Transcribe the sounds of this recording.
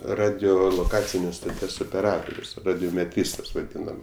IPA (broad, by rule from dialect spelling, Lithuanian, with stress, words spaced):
rɐdʲoːlˠoːˈkɑːt͡sʲɪnʲeːs stoːˈtʲiɛs oːpʲɛˈrɑːtoːrʲʊs rɐdʲoːmʲɛˈtʲrʲiːstɐs ʋɐˈdʲiːnɐm